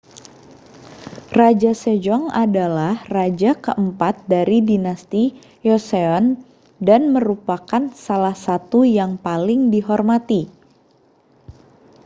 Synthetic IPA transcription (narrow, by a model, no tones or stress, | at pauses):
rad͡ʒased͡ʒɔŋadalahrad͡ʒakəʔəmpat̪̚daɾidinast̪i | jɔseɔn | danməɾupakansalahsat̪ujaŋpalɪŋdiɦɔrmat̪i